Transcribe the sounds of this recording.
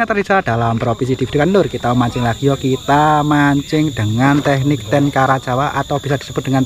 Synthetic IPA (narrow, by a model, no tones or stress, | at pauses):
at̪ərdisaɾad̥̪a̤lampɾopis̬id̥̪ivid̪̥ukanlʊrkit̪aumaɲt͡ʃɪŋlaɡ̥ijɔkit̪amaɲt͡ʃɪŋd̪̥əŋant̪ɛhnɪk̚t̪ɛnkaɾat͡ʃawaʔat̪awb̥i̤sad̥̪i̥səb̥ʊt̪̚dəŋan